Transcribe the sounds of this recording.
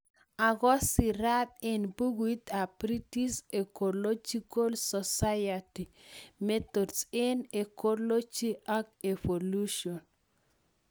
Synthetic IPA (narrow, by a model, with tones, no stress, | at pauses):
a˨ɣɔ˦si˨ɾa˦t̪enbu˦ɡwi˦t̪a˨pɾiti˦se˨kolo˦d͡ʒi˦ko˦lsɔsajati˨me˦t̪odse˦ne˨ko˦lo˦t͡ʃi˦ake˨foluʃion